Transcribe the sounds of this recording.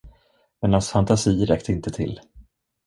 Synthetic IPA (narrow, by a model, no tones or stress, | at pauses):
mɛnansfant̪asiːɾɛkt̪əɪnt̪ət̪ʰɪ̰lː